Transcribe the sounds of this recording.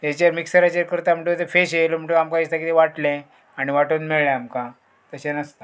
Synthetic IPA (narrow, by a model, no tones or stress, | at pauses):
et͡ɕeɾmiksəɾat͡ɕeɾkəɾt̪am̤əɳʈut̪efeɕelom̤əɳʈuamkaist̪akit̪eʋaʈlẽ | aɽ̃iʋaʈuːnmeɭlaamkã | t̪əɕenəst̪a